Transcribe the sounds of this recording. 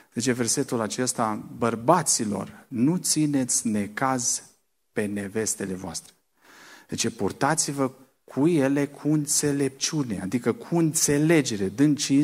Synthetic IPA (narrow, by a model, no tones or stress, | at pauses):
d̪et͡ʃe̞ve̞rse̞t̪ulat͡ʃe̞st̪abərbat̪silo̞̰rnut̪sine̞t̪sʲne̞kaz | pe̞ne̞ve̞st̪e̞le̞voa̰st̪ɾe̞ | d̪̥et͡ʃe̞purt̪at̪sivə | kʰuje̞le̞kʰuɨnt̪se̞le̞p̚t͡ʃunea̰d̪ikəkʰuɨnt̪se̞le̞d͡ʒe̞ɾe̞d̪ɨnt͡ʃi